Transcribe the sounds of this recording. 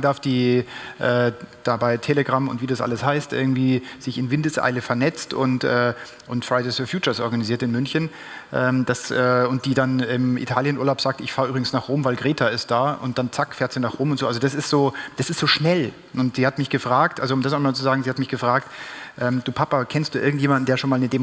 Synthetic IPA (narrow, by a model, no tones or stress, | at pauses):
daɐfd̥iːʔɛːd̥aːbaɪtʰeləɡʁamʊ̰ntv̥iːdasʔa̰ləshaɪstʔɪɐɡŋ̩tv̥iːz̥ɪçɪnvɪndəsʔa̰ɪləfɛɐnɛt͡stʊ̰ntʔɛː | ʔʊntfʁ̥aɪdeːsfɔɐfjuːt͡ʃɐsʔɔɐɡaniziːɐtɪnmʏnçən | ʔɛːmd̥asɛːʊnt̚d̥iːdanɪmʔḭtʰaːljənuːɐlaʊpz̥aːk̚tɪçfaːɐyːbʁɪɡŋ̩snaːχʁoːmvaɪlɡʁeːtʰaɪst̚d̥aːʔʊntd̥ant͡sakfɛːɐtz̥iːnaːχʁ̥oːmʊntz̥oːalzodasɪstz̥oːd̥asɪstz̥oːʃnɛl | ʔʊntz̥iːhatmɪçɡ̥əfʁ̥aːktʔalzoʊmdas̬aɪmaːlt͡suzaːɡŋ̩ziːhatmɪçɡ̥əfʁ̥aːk̚tʔɛːmd̥uːpʰapakʰɛnstd̥uːɪɐɡŋ̩tjeːmandn̩deːɐʃoːnmaːlnəde